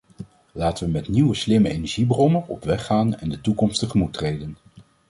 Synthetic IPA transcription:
laːtəʋəmɛtniwəslɪməejnɛɹʒibrɔməɔ̰pʋɛχaːnɛ̰ndətukɔmstəχəmutrejdən

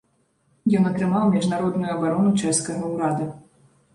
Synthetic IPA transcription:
jɔnɐt̪ɾɨmawmʲɛʐnaɾɔd̪nujuɐbaɾɔnut͡ʂɛskɐɣɐwɾad̪ɐ

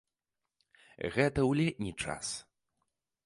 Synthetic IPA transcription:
ɣɛt̪ɐwlʲɛnʲit͡ʂa̰s

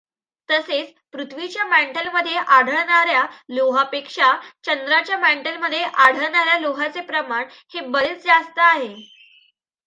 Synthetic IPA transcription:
t̪əset͡s | pɾut̪ʰʋit͡ɕjamæɳʈəlməd̪ʱːjeʔaɽ̤ʱəɭɳaɾjaloɦapekʂat͡ɕənd̪ɾat͡ɕjamæɳʈəlməd̪ʱːjeʔaɽ̤ʱəɭɳaɾjaloɦat͡sepɾəmaɳ | hebəɭət͡sd͡zast̪əaɦe

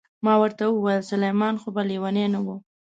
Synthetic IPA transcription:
mɑwəɾt̪awəwajəlsalajmɑnxobaliwanenawu

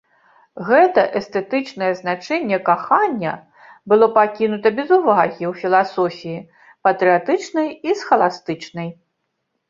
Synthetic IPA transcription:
ɣɛt̪ɐʔɛst̪ɛt̪ɨt͡ʂnɐjɛznat͡ʂɛnʲːɛkaxanʲːɐ̰ | bɨlˠɔpakʲinut̪ɐbʲɛzuvaɣʲiwfʲilˠasɔfʲiji | pɐt̪ɾɨat̪ɨt͡ʂnɐjisxɐlˠast̪ɨt͡ʂnɐj

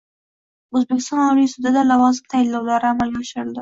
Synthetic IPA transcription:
ʊzbɪkɪ̥st̪ɑnaɾisud̪ad̪alawɑzt̪alːawlɑɾamaljaʃəɾd̪a

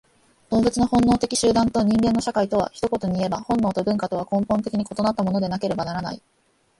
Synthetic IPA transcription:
d̪̥ombet͡sɨno̞hõ̞nːo̞ːt̪e̞kʲiɕɨːd̪ãnt̪o̞ɲ̟ĩŋɡẽ̞nːo̞ɕakait̪o̞β̞a̰çi̥t̪o̞ko̞t̪o̞ɲ̟iie̞bahõ̞nːo̞ːt̪o̞bɯ̟̃ŋkat̪o̞βakõ̞mpont̪̬e̞kʲiɲ̟iko̞t̪o̞nat̪ːamo̞no̞d̪e̞nake̞ɾe̞banaɾana̰ḭ

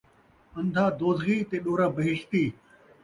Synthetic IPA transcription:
ɐ̃nd̪ʱaːd̪oːzɣiːt̪eːɗoːɾaːbɐɦɪʃt̪iː

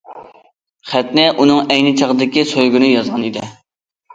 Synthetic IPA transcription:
χæt̪nɪʔunɨŋɛjnɪt͡ʃʰɑʁd̪ɪkʲisøjɡʲynɪjɑzʁɑnid̪ɪ

